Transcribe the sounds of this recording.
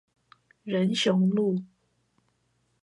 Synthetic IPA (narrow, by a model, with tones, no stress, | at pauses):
ɻə˧˦˥nɕjʊ˧˥ŋlu˥˩